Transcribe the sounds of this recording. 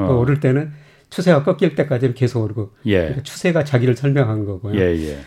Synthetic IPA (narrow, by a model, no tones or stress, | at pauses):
koʌɾɯɭt͈e̞nɯn | t͡ɕʰusʰe̞wak͈ʌk͈iɭt͈e̞k͈ad͡ʑinɯnke̞sʰoɡʌɾɡojeikat͡ɕʰu̥sʰe̞ɡat͡ɕaɡiɾɯɭsʰʌɭmjʌŋɦannɡʌɡojoejḛ